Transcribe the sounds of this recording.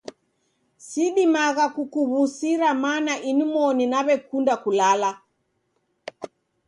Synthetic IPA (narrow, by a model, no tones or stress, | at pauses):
siɗimaɣakukuβusiɾamanaʔinumɔninaβɛkundakulala